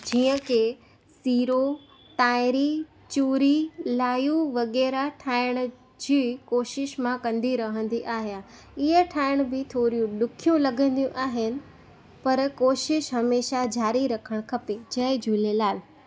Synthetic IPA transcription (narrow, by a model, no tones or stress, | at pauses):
d͡ʑiːə̃kʰe | siːɾo | ʈaːɪɾi | t͡ɕuːɾilaːjũʋɐɣɛːɾaʈʰaːɪɽ̃̆ | d͡ʑiːkoːʃɪʃmãkɐ̃nd̪iɾɐɦə̃nd̪iʔaːɦija | ɪɦəʈʰaːɪɽ̃bɪt̪ʰoːɾijũɗʊkʰijũlɐɡə̃nd̪ijũʔaːɦɪnɪ̆ | pɐɾkoːʃɪʃɦɐmeːʃad͡ʑaːɾiɾɐkʰəɽ̃kʰɐped͡ʑɐɦɪd͡ʑʱuːlelaːl